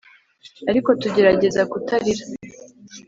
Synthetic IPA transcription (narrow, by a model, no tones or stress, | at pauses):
aɾiko̞tuɟe̞ɾaɟe̞zakutaɾiɾa